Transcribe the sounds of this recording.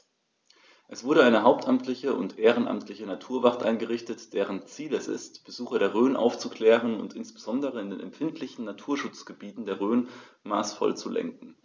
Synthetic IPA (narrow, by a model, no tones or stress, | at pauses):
ʔɛsv̥ʊɐɾəaɪnəɦaʊp̚tʔamtʰlɪçəʔʊ̰ntʔeːʁənʔa̰mtʰlɪçənatʰuːɐvaʁtʔaɪnɡəʁɪçtətd̥eːʁ̞ənt͡siːlɛsɪ̰stb̥əzuːxɐɾeːɐʁ̞øːnʔa̰ʊft͡sukl̥ɛːʁ̞ənʊ̰ntɪnsb̥əzɔndəʁəɪndḛːnɛ̰mfɪntʰlɪçn̩natʰuːɐʃʊt͡sɡ̥əbiːtn̩deːɐʁøːnmaːsfɔ̰lt͡sulɛ̰ŋkŋ̩